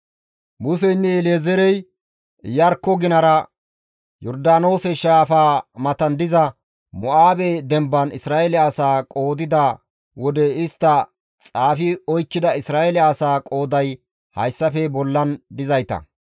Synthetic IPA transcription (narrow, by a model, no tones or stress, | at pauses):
mʊs̬ɛjnːɛleːzɛɾɛj | jɐɾkːɔɡɪnɐɾɐ | jɔɾd̪aːno̞ːsɛʃaːfaːmɐt̪ɐnd̪ɪzɐ | mɔʔaːbɛd̪ɛmbɐnɪsɾaːʔɛlɪːsaːkʼo̞ːd̪ɪd̪a | wɔd̪ɛɪst̪ːɐ | t͡sʼaːfɪɔjkːɪd̪ɐɪsɾaːelɪːsaːkʼo̞ːd̪ɐj | hɐ̰jsːɐfɛbɔlːɐnd̪ɪzɐjt̪ɐ̰